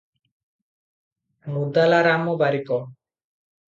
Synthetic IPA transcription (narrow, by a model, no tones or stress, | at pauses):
mud̪alaɾamɔbaɾikɔ